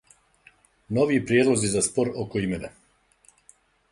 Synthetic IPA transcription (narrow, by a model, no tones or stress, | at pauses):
no̞ʋiːpɾjed̪lˠozizaspo̞ɾokoime̞na